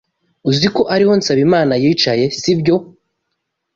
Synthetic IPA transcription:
uziko̞ʔaɾiho̞nsaβimaːnajiːt͡ʃaje̞sibjo̞

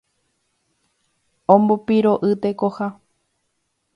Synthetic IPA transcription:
õmbupiɾoʔɨt̪ekoha

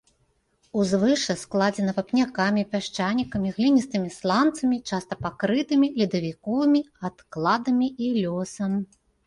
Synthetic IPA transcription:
uzvɨʂɐsklˠad͡zʲɛnɐpɐpnʲakamʲipʲaʂt͡ʂanʲikɐmʲiɣlʲinʲist̪ɨmʲislˠant̪sɐmʲit͡ʂast̪ɐpakɾɨt̪ɨmʲilʲid̪ɐvʲikɔvɨmʲi | at̪klˠad̪ɐmʲiilʲɔsɐm

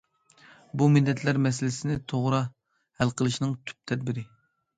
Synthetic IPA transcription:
bumɪlːɛt̪ʰlæɾmɛsɪlɪsɪnɪt̪ʰoʁɾɑ | hælqʰəlˠɨʃinɨŋt̪ʰy̥p̚t̪ʰɛd̪̚bɪɾɪ

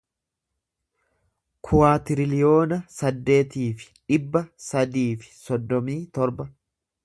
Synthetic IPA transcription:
kʰʊwaːt̪ɪɾɪlɪjo̞ːnɐsɐd̪ːe̞ːt̪iːfɪ̥ᶑɪbːɐsɐd̪iːfɪ̥sɔd̪ːɔmiːt̪ɔɾbɐ

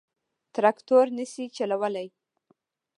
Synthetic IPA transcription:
t̪ɾakt̪oɾnəsit͡ʃalawəlaj

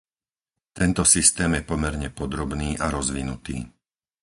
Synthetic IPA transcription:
t̪ɛnt̪ɔsist̪ɛːmjɛpɔmɛɾɲɛpɔd̪ɾɔbniːʔaɾɔzʋinut̪ḭː

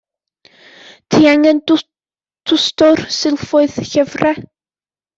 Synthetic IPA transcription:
tʰiːaŋən | tʰʊstʊrsɪlˠfʊɨðɬɛvrɛ

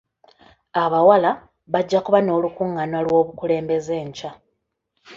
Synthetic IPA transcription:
aβawala | βaɟːakuβano̞ːlukuŋːanwalwo̞ːβukule̞ːmbe̞ze̞ːɲca

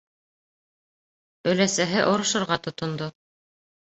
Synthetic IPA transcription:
ɵ̆læsæɦɘʔŏɾŏʃɤ̆ɾʁɑt̪ŏt̪ŏnd̪o

